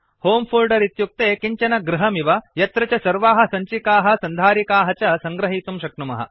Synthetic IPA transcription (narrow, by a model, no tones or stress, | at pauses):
hoːmpʰuːlɖɐɾit̪juk̚t̪eːkiɲt͡ʃɐnɐɡɾiɦɐmiʋɐjɐt̪ɾɐt͡ʃɐsɐɾʋaːɦɐ̆sɐɲt͡ʃikaːɦɐ̆sɐnd̪ʱaːɾikaːɦɐt͡ʃɐsɐŋɡɾɐɦiːt̪umʃɐkɳumɐ̰ɦɐ̰